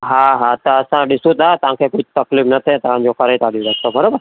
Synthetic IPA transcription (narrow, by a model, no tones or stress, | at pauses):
ɦãɦãt̪əəsãɖɪsũt̪at̪ãkʰekud͡ʒt̪ɐklifnət̪ʰẽt̪aãd͡ʒokaɾeit̪aɽjũd̪ək̚t̪obʱəɾoːbəɾ